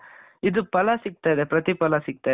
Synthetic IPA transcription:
ɪðɯpɐlaːsɪk̚t̪ːaːðepɪɾɐt̪ːipɐlaːsɪk̚t̪ːaː

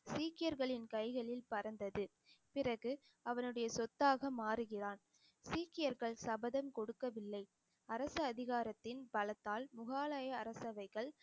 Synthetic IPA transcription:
siːkːɪjɐɾɣɐɭɪnkɐɪɣɐɭɪlpɐɾɐnd̪ɐðɯ | pɪrɐɣɯ | ɐʋɐnɯɽɐjɐsɔt̪ːaːɣɐmaːɾɯɣɪraːn | siːkːɪjɐɾɣɐɭsɐbɐðɐmkɔɽɯkːɐʋɪlːɐɪ | ɐɾɐsɐɐðɪɣaːɾɐt̪ːɪnbɐlɐt̪ːaːlmʊɣaːlaːjɐːɾɐsɐʋɐɪɣɐɭ

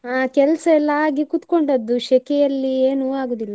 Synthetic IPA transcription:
aːkɛlɐsɐɛlːɐaːɡikut̪ko̞ɳɖɐd̪ːuʃɛkɛjɐlːieːnuaːɡoːd̪ilːɐ

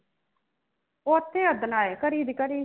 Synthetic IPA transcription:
oːət̪ʰːeːəd̪naːeːkəɾiːd̪kəɾiː

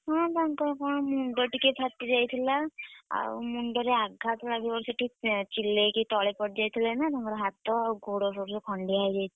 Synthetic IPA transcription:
ɦɔ̃t̪aŋkɔɾkɔɽ̃muɳɖɔʈikepʰat̪ːid͡ʒajt̪ʰilaa̰ṵmuɳɖɔɾeaɡʱːat̪ʰilabibɔɾsiʈit͡ʃilːekit̪ɔɭepɔʈd͡ʒajt̪ʰilanat̪aŋkɔɾɔɦat̪ːɔɡuɽɔsɔɾsɔkʰɔɳɖiajd͡ʒajt̪ʰi

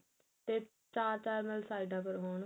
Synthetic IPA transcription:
t̪e | t͡ʃaːɾt͡ʃaːɾmɛlsaːɪɖãːpəɾɦoːn

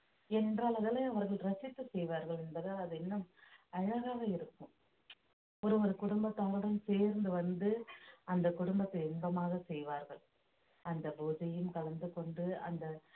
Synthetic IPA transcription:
ɛndraːɭɐðɐlɐɐʋɐɾɣɐɭɾɐt͡ʃːɪt̪ːɯsɛjʋaːɾɣɐɭɛnbɐðɯɐðɯɛnːɐmɐɻɐɣaːɣɐɪɾɯkːɯ̃m | ɔɾɯʋɔɾɯkʊɽʊmbɐt̪ːɐŋɡɐɽɐmseːɾnd̪ɯʋɐnd̪ɯɐnd̪ɐkʊɽʊmbɐt̪ːɐɪɛnbɐmaːɣɐsɛjʋaːɾɣɐɭ | ɐnd̪ɐbuːðɐjɯmkɐɭɐnd̪ɯkɔɳɖɯɐ̰nd̪ɐ

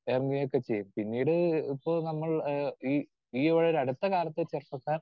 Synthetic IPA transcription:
eːrɐŋɡɐjjokːet͡ɕe̞jːumpinːiːɽɨipːoːɭnɐmːɐɭiː | iːʋɐɻoɾɐɽut̪ːɐkaːlɐt̪ːɨt͡ɕerpːɐkːaːn

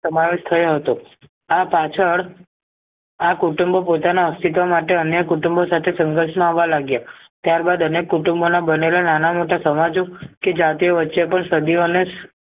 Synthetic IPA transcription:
əmaʋeʃt̪ʰəjoɦət̪o | apat͡ʃʰəɭ | akuʈumbopot̪anaəst̪it̪omaʈeənjəkuʈumbosat̪ʰesəŋɡəɾʃmaaʋːalaɡja | t̪jaɾbad̪ənekːuʈumbonabənelananamoʈasəmad͡ʒoked͡ʒat̪ioʋətːʃepəɳsəd̪ione

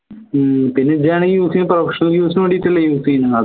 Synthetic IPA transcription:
pinːed͡ʑaːɳeijuːsiːnɨprofɐʂɐniljuːsinʋɐɽijitːuɭːɐjuːsiːnɨɐ

